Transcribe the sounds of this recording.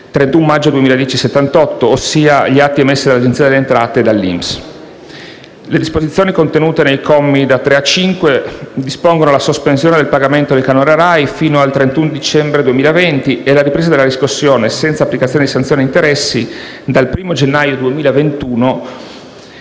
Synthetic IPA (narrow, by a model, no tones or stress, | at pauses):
t̪ɾent̪umːad͡ʒːod̪uemiːlad̪jɛːt͡ʃiset̪ːant̪ɔt̪ːoːsːiːaʎiat̪ːiɛmːesːid̪alːad͡ʒent̪siːad̪elːent̪ɾaːt̪ed̪alːḭms | led̪ispozit̪sjoːnikont̪enuːt̪enejkɔmːid̪at̪ːɾeat͡ʃiŋkwed̪ispoŋɡonolasospensjoːned̪elpaɡament̪od̪elkanoɾaɾajfiːnoalt̪ɾent̪und̪it͡ʃɛmbɾed̪uemiːlaevent̪ielaɾipɾeːzad̪elad̪iskusːjoːnesɛnt̪saːpːlikat̪sjoːned̪isant̪jonint̪eɾɛsːi | d̪alpɾiːmod͡ʒenːajod̪uemiːlaevent̪uːno